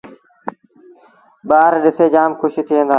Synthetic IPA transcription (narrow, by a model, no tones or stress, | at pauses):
ɓaːɾɗɪseːd͡ʒaːmkʰʊʃit̪ʰiʋẽːnd̪aː